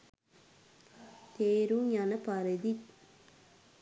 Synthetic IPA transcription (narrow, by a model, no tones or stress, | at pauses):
t̪eːɾuŋanɐpaɾed̪it̪